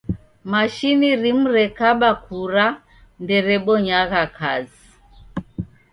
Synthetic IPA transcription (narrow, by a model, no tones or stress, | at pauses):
maʃiniɾim̩ɾɛkaɓakuɾa | ndɛɾɛɓɔɲaɣakʰazi